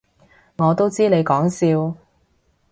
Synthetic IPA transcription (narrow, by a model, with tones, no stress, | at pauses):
ŋɔː˨˧t̪o˥wt͡siː˥ne˨˧jkɔː˨˥ŋsiː˧w